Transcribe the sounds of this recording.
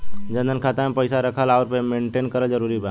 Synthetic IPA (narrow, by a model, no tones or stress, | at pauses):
d͡ʒə̃nd̪ənkʰaːt̪aɦɛ̃pəɪsaɾəkʰəlaːɾpemẽːɳʈeːnkəɾəd͡ʒəɾuːɾibaː